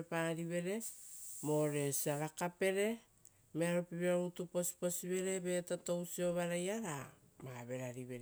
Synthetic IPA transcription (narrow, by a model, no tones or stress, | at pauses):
paɾiβe̞ɾe̞mo̞ɾe̞siaɾakape̞ɾe̞ | meaɾopiβeɾaɾutupo̞si̥po̞siβe̞ɾe̞be̞tato̞wsio̞βaɾajaɾa | maβe̞ɾaɾiβe̞ɾ